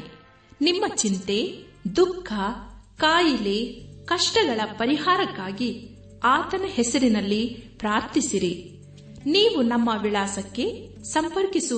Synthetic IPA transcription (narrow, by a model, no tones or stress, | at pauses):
nimːɐt͡ʃint̪e̞ | d̪ukʰːɐkaːjilekɐʂʈɐɡɐɭɐpɐɾiɦaːɾɐkːaːɡi | aːt̪ɐnɐhɛsɐɾinɐlːipɾaːɾt̪isiɾi | niːʋunɐmːɐʋiɭaːsɐkːe̞ | sɐmpɐɾkisu